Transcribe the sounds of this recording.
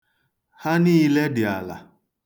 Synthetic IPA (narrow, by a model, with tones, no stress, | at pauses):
ha˦niː˦le˦dɪ˨a̰˨la̰˨